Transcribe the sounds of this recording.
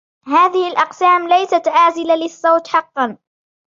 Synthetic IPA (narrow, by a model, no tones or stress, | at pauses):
haːðɪhɪlʔɑqsaːmlajsat̪ʕaːzɪlalɪsˤːɑwt̪ħɑqːɑn